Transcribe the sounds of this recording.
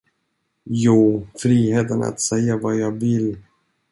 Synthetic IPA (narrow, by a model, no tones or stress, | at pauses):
juːfɾiːheːt̪əna̰t̪sɛjːavajɑːɡvɪl